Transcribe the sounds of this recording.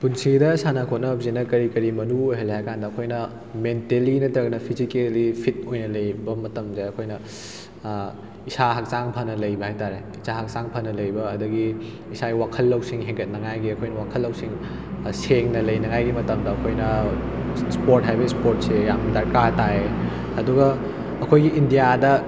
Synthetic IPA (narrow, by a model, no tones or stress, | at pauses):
punsidɐsanɐkʰot̚nɐbzinɐkɐɾikɐɾimɐnuojɦɐlːeɐkʰandɐːkʰojnɐ | mentelinɐtɐɡɐnɐpʰizikelipʰit̚ojnɐlɐjbɐmɐtɐmdeɐkʰojnɐ | isaɦɐk̚saŋpʰɐnɐlɐjbɐhajtaɾe | isaɦɐk̚saŋpʰɐnɐlɐjbɐːdɐɡi | isaɡiwakʰɐlːɐwsiŋɦeŋɡɐt̚nɐŋajɡiɐkʰojnɐwakʰɐlːɐwsiŋ | seŋnɐlɐjnɐŋajɡimɐtɐmdɐːkʰojnɐ | spoɾt̚ɦajbɐispoɾt̚sejamdɐɾkatae | ɐduɡɐ | ɐkʰojɡiindijadɐ